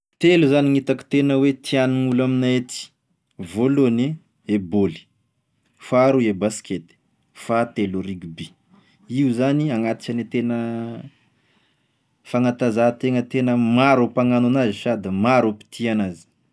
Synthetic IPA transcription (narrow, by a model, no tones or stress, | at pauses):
t̪eluzaniŋit̪aki̥t̪enəwet̪ʰianiŋulaminaet̪i̥ | volone | eboli̥ | faɾuebaskʰet̪i̥ | fat̪eluɾiɡbi | iuzaniaŋat̪i̥t͡ʃanet̪enə | faŋant̪azat̪eŋət̪enəmaɾopaŋananaziʃad̪əmaɾupi̥t̪ʰianazi̥